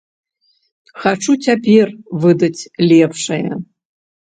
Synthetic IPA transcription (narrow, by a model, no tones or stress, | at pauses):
xaʈ͡ʂʰutʰʲapʰʲervɨd̪ɐtʰʲlʲepʰʂɐjɐ̰